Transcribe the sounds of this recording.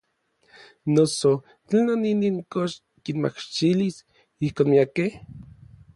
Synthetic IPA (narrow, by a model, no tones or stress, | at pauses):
noso | t͡ɬenoniniŋkoʃ | kinma̰kt͡ʃilis | ihkoːnmiakeh